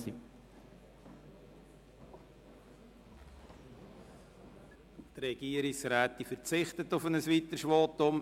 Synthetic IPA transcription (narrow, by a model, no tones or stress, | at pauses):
t̪rɛɡ̥iəɾɪksɾæːtifəɾt͡sɪχtətʊfənəsʋit̪əʃʋoːt̪ʊm